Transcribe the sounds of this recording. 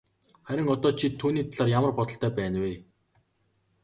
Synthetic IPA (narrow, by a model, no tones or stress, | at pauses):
χæɾʲɪ̆ŋɔt̪ɔːt͡ɕʰit̪ʰːuːniːt̪ʰaɮaːrjamə̆rpɔt̪ɞ̆ɬt̪ʰæːpæːnweː